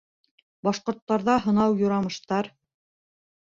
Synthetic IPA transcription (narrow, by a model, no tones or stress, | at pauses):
bɑʃqŏɾt̪ːɑɾðɑɦɤ̆nɑwjŏɾɑmɤ̆ʃt̪ɑɾ